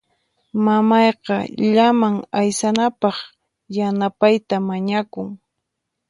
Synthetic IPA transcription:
mamɑjqɑʎamaŋajsanapɑχ | janapajt̪amaɲakʊŋ

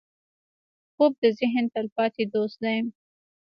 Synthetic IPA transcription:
xob̚d̪əzɪɦənt̪alpɑt̪ed̪ost̪d̪ajəm

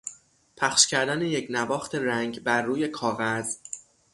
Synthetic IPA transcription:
pʰæxʃcʰæɾd̪ænejecʰnæbɒːxt̪ʰe̞ɾæŋɟbæɾːuːje̞kʰɒːɣæz

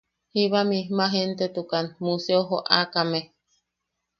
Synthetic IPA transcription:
hiβamihmaɦent̪et̪ukanmuseoɦo̰ʔakame

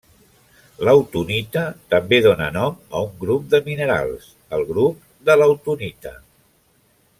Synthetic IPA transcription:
ləwt̪unit̪ət̪əmbeðonənɔmə̰uŋɡɾup̚d̪əminəɾa̰lˠs | əlˠɣɾup̚ | d̪ələwt̪unit̪ə̰

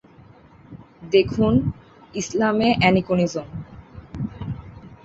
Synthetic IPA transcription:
d̪ekʰun | islameʔɛnikonizon

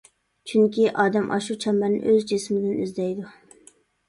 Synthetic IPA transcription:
t͡ʃʰyŋkʲiʔɑːd̪ɛmʔɑ̰ʃut͡ʃʰɛmænɪ̰ʔøzd͡ʒismɪd̪ɪny̰zd̪ɛjd̪u

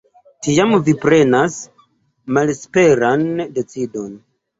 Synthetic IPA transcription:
tiamvipɾe̞nas | malspe̞ɾande̞t͡sido̞n

